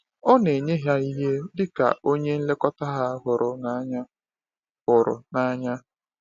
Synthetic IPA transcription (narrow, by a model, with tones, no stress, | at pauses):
ɔ˦ne˨ɲe˦ɦja˦i˦ɦe˦dɪ˦ka̰˨o˦ɲe˦n̩˦le˦kɔ˦ta˦ɦa˦ɦʊ˨ɾʊ˨na˦ɲa˦ | hʊ˨ɾʊ̰˨na˦ɲa˦